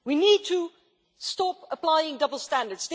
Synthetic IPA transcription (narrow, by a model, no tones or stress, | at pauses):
winid̚tʰə | stɔpəpl̥aɪɪ̃ŋdʌbl̩ˠstæ̃ndə˞dsd